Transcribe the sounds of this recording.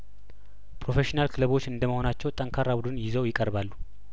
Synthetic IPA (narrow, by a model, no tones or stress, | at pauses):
pɾo̞fe̞ʃinalkʰɨləβo̞t͡ʃːɨnd̪əməho̞nat͡ʃːɛwt̪ʼəŋkʰaɾːabud̪ɨnjɪzəwjɪkʼəɾbalːu